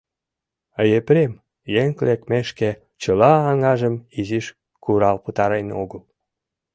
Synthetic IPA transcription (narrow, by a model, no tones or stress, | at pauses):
əjepɾem | jeŋklekmeʃke | t͡ɕəlɑːŋɑʒəmiziʃ | kuɾɑlpət̪ɑɾejnoɣəl